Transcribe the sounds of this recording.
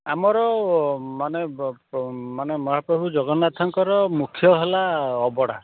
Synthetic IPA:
amɔɾɔmane | manemɔɦapɾɔbʱud͡ʒɔɡɔnat̪ʰɔŋkɔɾɔmukʰjɔɦelaɔbɔɽa̰

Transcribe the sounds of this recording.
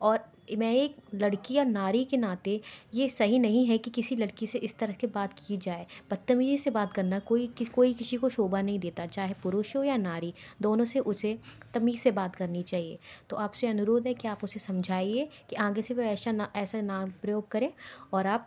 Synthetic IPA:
ɔːɾ | mɛ̃eːklɐɽkiɔːɾnaːɾikenaːt̪ejesɐɦinɐɦĩɦɛkikɪsilɐɽkiseʔɪst̪ɐɾəkebaːt̪kiid͡ʒaːeːpɐt̪ːɐmiːzsebaːt̪̚kɐɾnakoːikkoːikɪsikoʃoːbanɐɦĩd̪eːt̪at͡ʃaːɦepʊɾʊːʃõjanaːɾid̪oːnõseʔʊset̪ɐmiːzsebaːt̪kɐɾnit͡ʃaːɦiḛːt̪oʔaːpseɐnʊɾoːd̪ɦɛkiaːpʊsesɐ̃md͡ʒʱaːiekiʔãːɡeseʋoɛːsaaɛːsanaːmpɾɐjoːɡ̚kɐɾẽːɔːɾaːp̚

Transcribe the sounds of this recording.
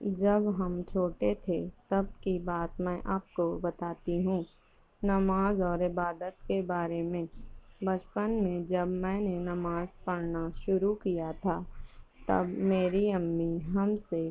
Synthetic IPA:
d͡ʒɐbɦɐmt͡ʃʰoːʈet̪ʰet̪ɐb̚kibaːt̪mɛ̃ːʔaːp̚kobɐt̪aːt̪iɦũː | nɐmaːzɔːɾɪbaːd̪ət̪kebaːɾemẽbɐt͡ʃpənmẽd͡ʒɐbmɛ̃ːnenɐmaːzpɐɾnaʃʊɾukijat̪ʰaːt̪ɐ̰bmeːɾiəmːiɦɐmse

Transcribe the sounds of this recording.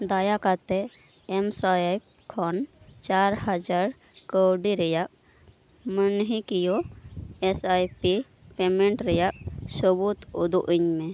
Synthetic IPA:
d̪ajakat̪e | emsaa | kʰɔnt͡ʃaɾɦəd͡ʒaɾ | kəwɖiɾəjak̚ | mənɦikijoesajpi | pemẽɳʈɾəjak̚səbut̪ud̪uʔiɲmẽ

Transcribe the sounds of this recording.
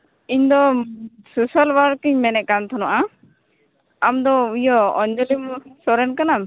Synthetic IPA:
iɲd̪ɔsusalwaɾkiɲmɛnɛʔ̚kant̪ʰɔnaʔa | amd̪ɔujɔɔɲd͡ʒɔlimsɔɾɛnkanam

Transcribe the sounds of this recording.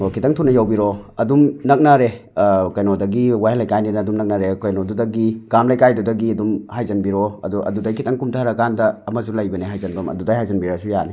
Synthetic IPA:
okʰitɐŋtʰunɐjawbiɾɔɐdumnɐk̚naɾe | kɐjnodɐɡiwajlɐjkajninɐːdumnɐk̚nɐɾekojnodudɐɡikamlɐjkajdudɐɡiɐdumhajzɐnbiɾɔɐ̰duʔɐ̰dudɐjkʰitʰɐŋkumtʰaɾɐkandɐːmɐsulɐjbɐneɦajzɐnbɐmɐ̰dudajɦajzɐnbiɾasujani

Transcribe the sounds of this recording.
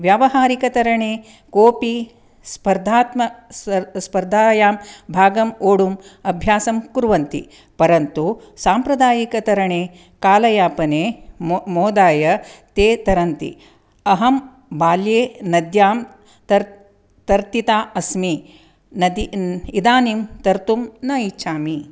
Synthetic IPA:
ʋjaːʋɐɦaːɾikɐt̪ɐɾɐɳeː | koːpi | spɐɾd̪ʱaːt̪mɐsspɐɾd̪ʱaːjaːmbʱaːɡɐmoːɽumɐbʱjaːsɐmkuɾʋɐnt̪ḭ | pɐɾɐnt̪u | saːmpɾɐd̪aːjikɐt̪ɐɾɐɳeː | kaːlɐjaːpɐneːmoːd̪aːjɐt̪eːt̪ɐɾɐnt̪ḭ | ɐɦɐm | baːljeːnɐd̪jaːm | t̪ɐ | t̪ɐɾt̪it̪aːɐsmi | nɐd̪iid̪aːnimt̪ɐɾt̪umnɐit͡ʃʃʰaːmi

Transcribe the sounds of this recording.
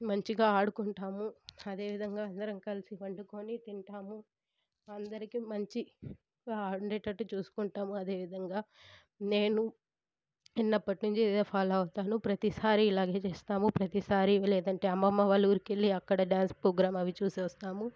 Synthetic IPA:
mɐɲt͡ʃiɡaːaːɽukuɳʈaːmuɐd̪e̞ːʋid̪ʱɐŋɡaːɐnd̪ɐɾɐmkɐlisiʋɐɳɖukoːnit̪iɳʈaːmu | ɐnd̪ɐɾikimɐɲt͡ʃi | aːɳɖeʈːɐʈːut͡ʃuːsu̥kuɳʈaːmuɐd̪e̞ːʋid̪ʱɐŋɡaː | ne̞ːnu | inːɐpːɐʈinuɲt͡ʃid̪epʰaːlɐɐwut̪aːnupɾɐt̪isaːɾiːlaːɡe̞ːt͡ʃe̞ːst̪aːmupɾɐt̪isaːɾiʋɐleːd̪ɐɳʈe̞ːɐmɐmːɐʋaːlːuːɾikelːiɐkːɐɽɐɖjaːnspɾoːɡɾaːmɐʋit͡ʃuːsiʋɐst̪aːmu

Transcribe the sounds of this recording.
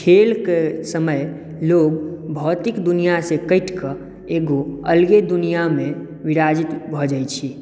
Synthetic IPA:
kʰelkesəməj | loɡbʱɔt̪ikd̪unijasẽkəɪʈkə | eɡoəlɡed̪unijame | ʋiɾad͡ʒit̪bʱɔd͡ʒəjt͡ʃʰi

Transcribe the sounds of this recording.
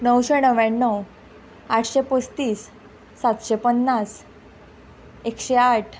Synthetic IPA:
nəwɕenəʋãəw | aʈʰɕepost̪iːsː | at̪ɕepənːas | ekɕeaʈʰ

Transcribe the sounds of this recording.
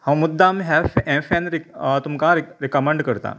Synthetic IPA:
hɐmːʊd̪ːamɦɛfɛ̃ːfʰɛ̃ːnɾɪt̪ʊmkaɾɾɪkɐmɛ̃ɳɖkɐɾt̪a̰ː

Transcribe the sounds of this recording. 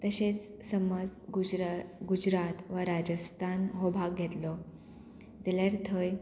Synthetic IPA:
t̪əɕet͡s | səməd͡z | ɡud͡ʑɾat̪ʋəɾad͡ʑəst̪ʰanɦobʱaɡɡʱet̪lɔ | d͡zeljaɾt̪ʰəj

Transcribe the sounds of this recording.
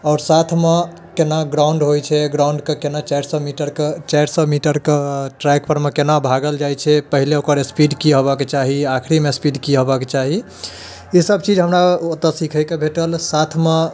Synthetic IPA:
ɔʊɾsat̪ʰme | kenaɡɾaʊɳɖɦojt͡ʃʰɛɡɾauɳɖkekenat͡ʃajɾsɔmiʈəɾket͡ʃaɾsɔmiʈəɾkeʈɾɛkpəɾmekenabʱaɡəld͡ʒajt͡ʃʰɛpəɦileokəɾespiɖkiɦobəket͡ʃaɦiakʰɾimespiɖkiɦobəket͡ʃaɦi | isəb̚t͡ʃid͡ʒɦəmɾaot̪əsikʰəjkebʱeʈəlsat̪ʰme

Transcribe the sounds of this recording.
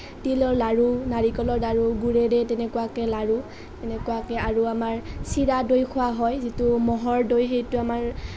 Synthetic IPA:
tilɔɹlaɹunaɹikɔlɔɹdaɹuɡuɹɛdɛtɛnɛkʊwakɛlaɹu | tɛnɛkuwakɛaɹuamaɹsiɹadojkʰʊwaɦɔjzitumɔɦɔɹdojɦejtʊamaɹ

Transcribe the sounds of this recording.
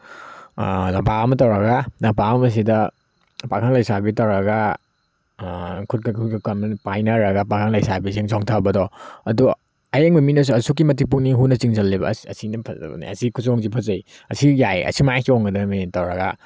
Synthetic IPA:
lɐpaɐmɐtɐwɾɐɡalɐpamɐs̬idɐ | pakʰanlajsabitɐwɾɐɡa | kʰut̚kkʰukkɐmpajnɐɾɐɡapakʰaŋlajsabis̬iŋzɔŋtʰabɐdɔɐdu | ɐjeŋbɐminɐs̬uɐsuk̬ːimɐtip̬uk̚niɦunɐt͡ʃiŋzɐlːibɐ̰ɐ̰sinɐpʰɐsikʰusoŋzipʰɐzɐj | ɐsijajɐ̰simajkʰioŋɡɐdɐmitɐwɾɐɡa̰

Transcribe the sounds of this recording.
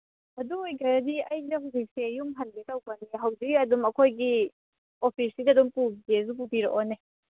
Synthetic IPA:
ɐduojɡɐɾɐdiɐjdɐɦuzik̚sejumɦɐnɡetawpaniɦɐwd͡ʒikɐdumɐkʰojɡi | opʰisidɐdumpubɡez̬up̬upiɾɔ̰ʔone

